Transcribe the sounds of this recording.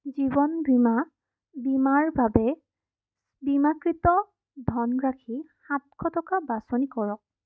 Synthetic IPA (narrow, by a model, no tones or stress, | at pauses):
zibɔnbima | bimaɹbabɛ | bimakɹitɔ | dʱɔnɡɹakʰihat̚kʰɔtɔkabasonikɔɹɔk̚